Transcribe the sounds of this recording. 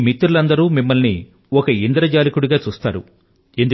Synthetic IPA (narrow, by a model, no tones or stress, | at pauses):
mit̪ːɾulɐnd̪ɐɾuːmimːɐlni | ɔkɐind̪ɾɐd͡ʒaːlikuɽiɡaːt͡ʃuːst̪a̰ːɾṵ | e̞nd̪u